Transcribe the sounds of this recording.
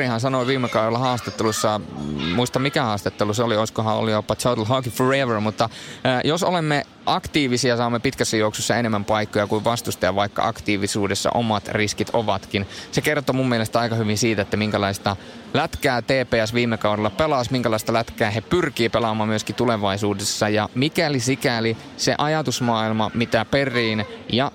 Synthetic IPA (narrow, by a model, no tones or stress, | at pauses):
ihɑnsɑnoiʋiːmːekɑuɾelːɑhɑːst̪et̪ːelusːɑmuist̪ɑmmikæhɑːst̪et̪ːeluseolioiskohɑo̰lijopːɑt͡ʃot̪lɦɑkiforeʋərmut̪ːɑjosolemːe | ʔɑkt̪iːʋisiɑsɑːmːepit̪kæsːæjouksusːɑenemːæmpɑikːojɑkuiʋʋɑst̪ust̪ɑjɑʋɑikːɑ̰ʔɑ̰kt̪iːʋisuːdesːɑ̰ʔomɑt̪riskit̪ʰoʋɑt̪kinsekert̪omumːielest̪æɑikɑhyʋinsiːt̪æet̪ːæmiŋkælɑist̪ɑ | læt̪kæːt̪eːpeːæsʋiːmːekɑuɾelːɑpelɑsmiŋkælɑist̪ɑlæt̪kæːɦepyrkiːpelɑmˑɑːmmyøskit̪uleʋɑisuːdesːɑjɑmikælisikæli | sḛʔɑjɑt̪usmɑːilmɑmit̪æperˑiːnjɑ